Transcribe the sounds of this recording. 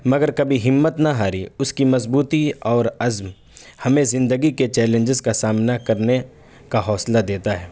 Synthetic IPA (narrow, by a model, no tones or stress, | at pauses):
mɐɡəɾkɐbʱiɦɪmːət̪naɦaːɾiʊskimɐzbuːt̪iɔːɾɐzm | hɐmẽzɪ̃nd̪əɡiket͡ʃɛːlẽɲd͡ʒɪzkasaːmnakɐɾne | kaɦɔːslad̪eːt̪aɦɛː